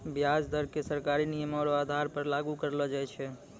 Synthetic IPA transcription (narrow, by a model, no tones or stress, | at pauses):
bjad͡ʒd̪əɾkesəɾkaɾinijəmɔɽoad̪ʱaɾpəɾlaɡukəɾlɔd͡ʒajt͡ʃʰɛ